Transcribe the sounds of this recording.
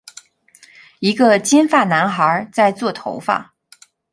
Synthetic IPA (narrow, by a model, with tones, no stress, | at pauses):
i˧˥ɡə˧t͡ɕi˥nfa˥˩na˧˥nxə˞˧˥t͡sa˥˧ɪt͡swɔ˥˩t̪ʰo˧˥ʊfa̰˥˩